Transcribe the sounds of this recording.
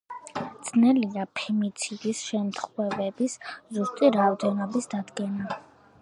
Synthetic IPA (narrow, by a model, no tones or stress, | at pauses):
d̪z̥ʰnɛliapʰɛmit̪sʰid̪isʃɛmt̪ʰχwɛvɛbiszust̪ʼiɾaːvd̪ɛnɔbisd̪ad̪ɡɛna